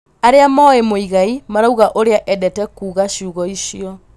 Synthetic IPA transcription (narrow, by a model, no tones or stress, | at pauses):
aɾeamɔemoiɣaimaɾauɣaʔoɾeaʔɛdɛtɛkuːɣaɕuːɣɔiɕiɔ